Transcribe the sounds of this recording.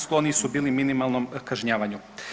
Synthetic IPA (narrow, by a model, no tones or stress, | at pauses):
sklˠonisubiːliminimalˠno̞mkaʒɲaːʋaɲu